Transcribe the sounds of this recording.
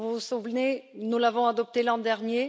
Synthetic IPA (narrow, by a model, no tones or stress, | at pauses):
vusuvnenulavɔ̃ad̪ɔp̚t̪elɑ̃d̪ɛʁnje